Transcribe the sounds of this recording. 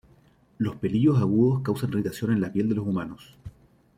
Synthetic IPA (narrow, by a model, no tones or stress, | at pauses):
lospe̞liɣosaɣuðoskawsanrit̪asjo̞ne̞nlapje̞ld̪e̞losumanos